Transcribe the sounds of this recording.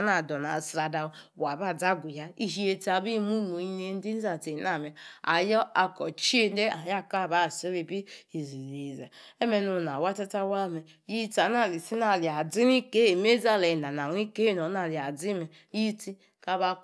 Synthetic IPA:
na˨dɔ˨na˨sɾa˨da˨˦wa˨ba˦˨d͡za˦ɡʷu˨ja˦i˦ɦi˦e˦ti˦a˨bi˦mu˦no˨i˦ne˦n̩˦di˦n̩˦za˨te˨˦na˨me˨a̰˨jɔ˦a˨kɔ˨t͡ʃi˦e˦de˦a˨ja˦ka˦˨ba˦˨si˦ɾi˨bi˦i˨zi˨le˨za̰˨e˦me˨nu˨na˨wa˦ta˦ta˦wa˦˨me˨ | ji˦ta˨˦na˦˨li˨si˦na˨li˨a˨d͡zi˦ni˦ke˦e˨m˦e˦za˦˨le˨na˨na˨n˦i˦ke˦no˨˦na˨li˨a˨d͡zi˦me˨ | ji˦ti˦ | ka˦ba˦

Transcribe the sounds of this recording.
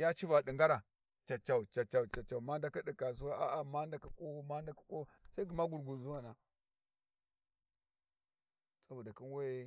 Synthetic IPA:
ja˦t͡ʃi˦va˨ɗi˨ŋɡa˦ɾa˨ | t͡ʃa˨t͡ʃa˨u˨t͡ʃa˨t͡ʃa˨u˨t͡ʃa˨t͡ʃa˨ma˦nda˦ki˦di˨ka˨s̬o˦a˦a˨ma˦nda˨˦ka˦ko˦ma˦nda˦ka˦ko˦sa˦i˦ɡi˨ma˦ɡu˨ɾɡu˨zu˦wa˨na˨ | t͡sa˦bu˨da˨ki˦n˦we˦

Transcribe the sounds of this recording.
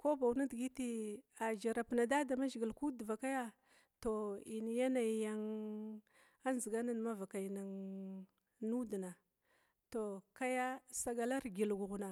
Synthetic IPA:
ko˦ba˨wna˦dɡi˦ti˦a˨d͡ʒa˨ɾa˨pna˨da˦da˨ma˦d͡ʒi˨ɡi˨lku˦dva˨ka˦ja˦ | to˨i˨n˨ja˦na˨jja˨ŋ | a˦nzi˨ɡa˦na˦n˨ma˦va˨ka˨i˨na˨ŋ | nu˦di˨na˨ | to˨ka˦ja˦sa˦ɡa˦la˦ɾɡi˨lɡu˨ɣu˨na˨

